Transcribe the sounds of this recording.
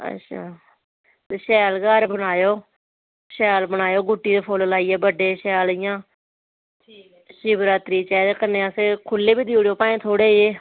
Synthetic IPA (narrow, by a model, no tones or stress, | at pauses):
ə̰tːʃʰa̰ː | t̪eʃɛːlɡaːɾbəɽaːjoː | ʃɛːlbənaːjoːɡʊʈːiːd̪epʰoːllaːiːɛːbəɖeːʃɛːlɪjãː | ʃiːbɾaːt̪ɾiːt͡ʃɛːd̪ekənːẽːaseːkʰʊlːeːbiːd̪iːɽjoːpãːẽːt̪ʰoːɽeːeː